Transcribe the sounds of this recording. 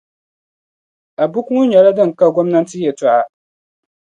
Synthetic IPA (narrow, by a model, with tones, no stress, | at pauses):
a˨bu˦ku˦ŋʊ˦ɲɛ˨la˦dɨ˦ŋ˨ka˦ɡo˦mna˦n˦tɨ˦jɛ˨tʊ˨ʔa˨